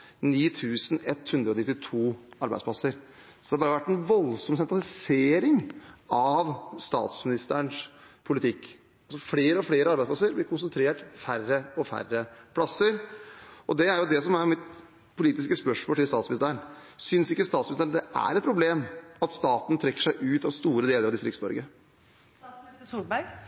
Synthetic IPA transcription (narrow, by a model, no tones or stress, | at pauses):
niːt̪ʰʉːsnɛt̪ːhʉnd̪ɾəɔnɪt̪ːɪt̪ʰuːɑɾbæɪdspʰlɑsəɾ | sɔd̪ɛɑɾbɑːɾəʋæʈːɛnʋɔlsɔmsɛnt̪ɾɑlɪseːɾɪŋɑʋst̪ɑ̰ːt̪smɪnɪst̪əɳʂpʰʊlɪt̪ʰɪkː | ɑlsɔfɽeːɾəɔfɽeːɾəɑɾbæɪspʰlɑsəɾb̪ɪkʊnsənt̪ʰɾeːʈfærːəɔfæ̰rəpʰlɑsəɾʔɔd̪ɛæɾjʊd̪ɛsɔmæɾmɪt̪ | pʰʊliːt̪ɪskəspœʂmoːlt̪ɪlst̪ɑːt̪smɪnɪst̪əɾəɳsʏnsɪkːəst̪ɑːt̪smɪnɪst̪əɳd̪ɛʔæ̰ɾɛt̪pʰɾʊbleːmɑt̪st̪ɑːt̪nt̪ʰɾɛkːə̥ʂæɪʔʉːt̪ɑʋst̪uːɾəd̪eːləɾɑʋd̪ɪst̪ɾɪ̰ksnɔ̰ɾɡə | uːbæɾɡ